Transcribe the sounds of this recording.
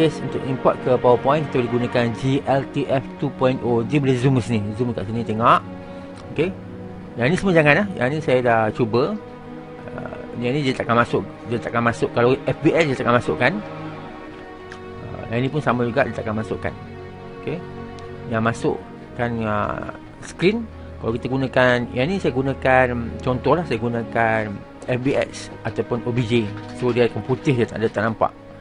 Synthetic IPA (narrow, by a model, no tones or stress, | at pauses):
əsṵnt̪ʊ̰kimpɔt̪̚kəpawəpɔjĩnkit̪aboliɡunakand͡ʒiʔɛlt̪iʔɛft̪upɔjinodəbəlezumkəsinĩzumkaʔsinĩt̪eŋaʔ | oke | jaŋnĩsəmũəd͡ʒaŋãnahjʔa̰ŋnĩsajadat͡ʃubə | ə̰ | ianĩdiat̪aʔkanmasʊʔ | diat̪aʔkanmasʊʔkːalaʔɛfbiɛsdiat̪aʔkanmasʊʔkan | ə̰janĩpʊnsamãd͡ʒuɡaʔdiat̪aʔkanmasʊʔka̰n | oke | jaŋmasʊ̰ʔ | kanə̰ | skɾin | kalawkit̪aɡunãkanjanĩsajaɡunãkant͡ʃɔnt̪ɔhlahsajaɡunãkan | ɛfbiɛ̰ʔsʔat̪awpʊnobid͡ʒesodiakanput̪ɪhdiat̪a̰ʔdat̪aʔnampa̰ʔ